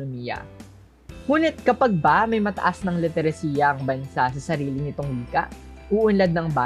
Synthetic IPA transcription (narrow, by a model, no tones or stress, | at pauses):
miːjɐ̰ | ŋuːnɪt̪̚kɐpɐɡ̚bɐmɐjmɐt̪ɐ̰ʔasnɐŋlɪt̪ɛɾɐsiːjɐʔɐŋbɐnsasɐsɐɾiːlɪnɪt̪oŋwiːkɐ̰ʔʔʊʔʊnlɐd̪̚nɐŋbaː